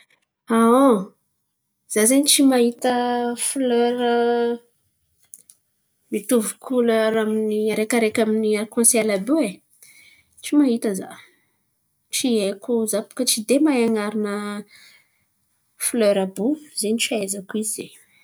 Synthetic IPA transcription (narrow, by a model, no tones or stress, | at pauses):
ao | z̥azeɲit͡ʃimaɦit̪əfløɾə | mit̪uvukʰuløɾaminiaɾekaɾekʲaminiaɾkɔ̃sɛlabee | t͡ʃimaɦit̪əza̰ | t͡ʃiekuzapu̥kət͡ʃid̪emajaŋaɾinə | fløɾabuzenit͡ʃaezakuize